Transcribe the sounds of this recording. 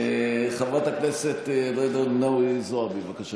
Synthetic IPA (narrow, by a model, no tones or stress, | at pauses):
χavʁat̪akneset̪d̪ed̪onnowizoabevakaʃa